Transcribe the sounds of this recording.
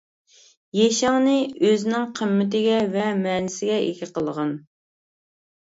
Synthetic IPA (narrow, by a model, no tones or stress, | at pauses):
jɛʃɑŋnɪøzɪnɪŋqʰəmːɪt̪ɪɡʲɛvɛmɛːnɪsɪɡʲɛʔḛkʲɪqəlˠəʁɑn